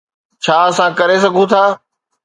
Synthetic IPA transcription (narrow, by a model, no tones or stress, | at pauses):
t͡ɕʰaːɐsãkɐɾes̬ɐɡʱũt̪ʰaː